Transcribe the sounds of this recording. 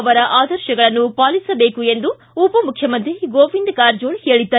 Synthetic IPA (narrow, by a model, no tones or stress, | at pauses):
ɐʋɐɾɐʔaːd̪ɐɾʃɐɡɐɭɐnːupaːlisɐbeːkue̞nd̪u | upɐmukʰjɐmɐnt̪ɾiɡoːʋind̪kaːɾd͡ʒoːɳheːɭid̪ːɐ